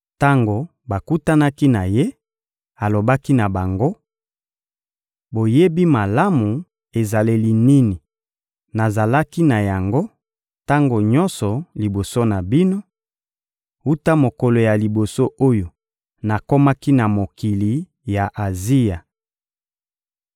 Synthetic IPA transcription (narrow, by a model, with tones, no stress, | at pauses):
ta˦ŋɡo˨ | ba˨ku˦ta˦na˦ki˦na˨je˦ | a˨lo˨ba˦ki˦na˨ba˨ŋɡo˦ | bo˨je˦bi˦ma˨la˦mu˨ | e˨za˨le˦li˦ni˦ni˨ | na˨za˨la˦ki˦na˨ja˨ŋɡo˦ | ta˦ŋɡo˨ɲɔ˦nsɔ˨li˨bo˨so˦na˨bi˦no˦ | u˦ta˦mo˨kɔ˨lɔ˨ja˨li˨bo˨so˦ʔo˦jo˨ | na˨ko˦ma˦ki˦na˨mo˨ki˨li˨ | ja˨ʔa˨zi˦ja˨